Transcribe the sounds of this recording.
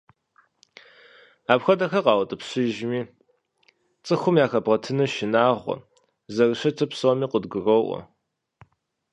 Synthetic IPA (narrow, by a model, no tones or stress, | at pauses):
aːpxʷɐdɐxɐqɑːwɐtʼɨpɕɪʒmiː | t͡sʼɨxʷʊmjaːxɐbʁɐtʰɨnɐʃɪnaːʁʷɔ̰ | zɐrɨɕɐtʰɐpsomiːqʷədɡɨroʔʷɔ̰